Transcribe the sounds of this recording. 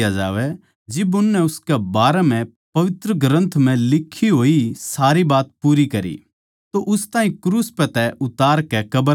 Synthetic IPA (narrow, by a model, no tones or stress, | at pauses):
jad͡ʒaːʋɛ | d͡ʒɪbʊnːɛʊskɛbaːɾɛmɛ̃ | pɐʋɪt̪ɾəɡɾə̃nt̪ʰm̤ɛ̃lɪkʰːiɦoːisaːɾibaːt̪̚puːɾikɐɾḭ | t̪oʔʊst̪aːɦĩkɾuːspɛt̪ɛʔʊt̪aːɾkɛkɐbə